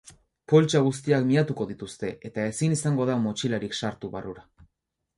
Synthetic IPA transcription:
po̞lt͡ʃaɣ̞us̬t̪iakmiat̪uko̞ðit̪ust̪e̞ʔe̞t̪ae̞sinisaŋɡo̞ðamot͡ʃilaɾiksaɾt̪uβaruɾa

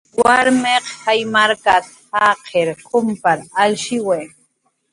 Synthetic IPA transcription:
waɾmeqhajmaɾkat̪haqʰeɾkʰʊmpaɾalʃɪwe

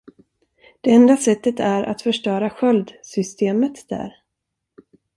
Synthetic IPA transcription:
d̪̥ɛɛnd̪asɛt̪ːət̪æɾʔa̰t̪fœʂʈœːɾaɧœld̪sʏst̪ʰeːmət̪d̪̥æ̰ɾ

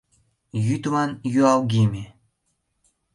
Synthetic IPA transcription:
jyt̪mɑnjyɑwɡemʲe

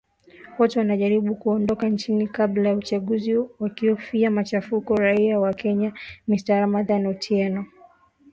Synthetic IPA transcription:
wɔtɛwanaʄaɾiɓukuɔndɔkant͡ʃinikablajaut͡ʃaɠuziwakiɔfiamat͡ʃafukɔɾaiawakɛɲamistaɾamaðanutʰiɛnɔ

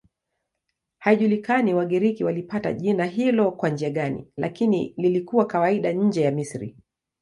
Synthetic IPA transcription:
haiʄulikaniwaɠiɾikiwalipata̰ʄinaɦilɔkwand͡ʒiaɠanḭlakinḭlilikuwakawaiɗaɲ̩d͡ʒɛjamisɾḭ

